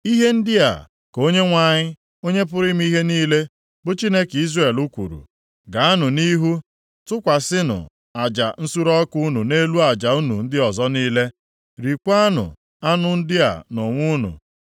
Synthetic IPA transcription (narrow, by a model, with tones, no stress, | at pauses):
i˦ɦe˦n̩˦dɪ˦a̰˨ | ko˦ɲe˦ŋʷa˨ɲɪ˦ | o˦ɲe˦p̬ʊ˦ɾɪ˦m˦i˦ɦe˦niː˦le˦ | bʊ˦t͡ʃi˦ne˦ki˦zre˦e˨lu˦kʷṵ˨ɾṵ˨ | ɡa˨a˦nʊ˨ni˦ɦu˦ | tʊ˦kʷa˨sɪ˦nʊ̰˨ | a˨d͡ʒa̰˨n̩˦su˦ɾɔ˦ku˦nu˨ne˦lu˦a˨d͡ʒa˨u˦nṵ˨n̩˦dɪ˦ɔ˨zɔ˦niː˦le˦ | ɾi˨kʷa˦nʊ̰˨ | a˦nʊ˨n̩˦dɪ˦a̰˨no˨ŋʷu˦nṵ˨